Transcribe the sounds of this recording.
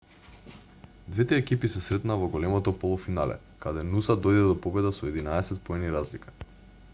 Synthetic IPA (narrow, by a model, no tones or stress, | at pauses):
d̪vɛt̪ɛːkipisɛsɾɛt̪naːvɔɡɔlɛmɔt̪ɔpɔlˠɔfinalɛ̰ | kad̪ɛnusad̪ɔjd̪ɛd̪ɔpɔbɛd̪asɔɛd̪inaɛsɛt̪̚pɔɛniɾazlikḁ